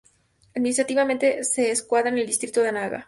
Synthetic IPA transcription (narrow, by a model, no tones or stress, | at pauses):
aðminis̬t̪ɾat̪iβamẽ̞nt̪e̞se̞ːskwaðɾane̞ld̪ist̪ɾit̪oðeanaɣa̰